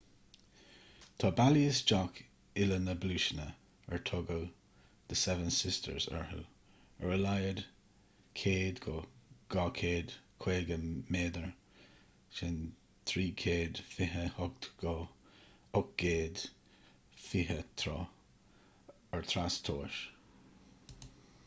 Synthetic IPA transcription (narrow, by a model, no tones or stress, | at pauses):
t̪ʰɑːbaliəsd͡ʒɔk | ɪlənəbluʃənə | əɹtʰɔɡow | d̪̥əsɛvənsɪstʰə̰ɹzə̰ɹhə̰ | ə̰ɹəlajəd | kʰeːd̪ɡɔɡ̥ɑːkʰeːd̪̥kʰweːɡəmeːd̪əɹ | ʃɛn | t̪ʰɹiːkʰeːd̪fɪɦəhʊɡ̚tɡ̥ɔ | ʊk̚ɡ̥eːd̪ | fiɦət̪ʰɾɔ̰ | əɹt̪ʰɾastʰoːʃ